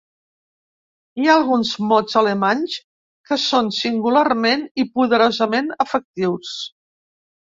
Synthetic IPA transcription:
iaːlˠɣunzmɔzələmanʲs | kəsonsiŋɡularmenipuðəɾozəmenəfək̚t̪iws

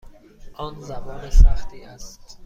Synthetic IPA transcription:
ʔɒːnzæmɒːnesæχt̪ʰiːæst̪

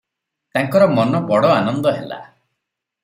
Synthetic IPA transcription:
t̪aŋkɔɾɔmɔnɔpɔɽɔanɔnd̪ɔɦela̰

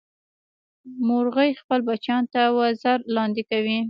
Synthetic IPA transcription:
mʊɾɣəjxpəlbat͡ʃɑnt̪awazaɾlɑnd̪ɪkawi

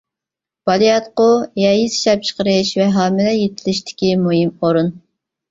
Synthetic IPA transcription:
b̥ɑlˠijɑt̪qʊjɑjisi̥ʃɛp̚t͡ʃʰə̥qəɾɨʃvɛɦɑːmɪlɛjet̪ʰɪlɪʃt̪ʰɪ̥kʲimujimoɾun

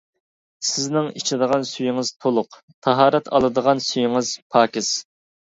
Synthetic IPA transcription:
sɪznɪŋit͡ʃʰɪd̪əʁɑnsyjiŋɨz̥t̪ʰolˠʊq | t̪ʰɑɦɑːɾɛt̪ʰɑ̰lˠɨd̪əʁɑnsyjiŋɨz̥pʰɑːkʲɪs

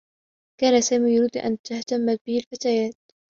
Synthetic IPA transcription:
kaːnasaːmiːjʊɾiːd̪ʔa̰nt̪aht̪amːat̪̚bɪhɪlfat̪aːjaːt̪̚

